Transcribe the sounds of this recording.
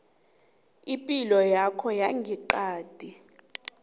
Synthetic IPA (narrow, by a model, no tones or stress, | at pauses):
ipʼilɔjakʰɔjaŋɡʱiǃaːd̥ʱi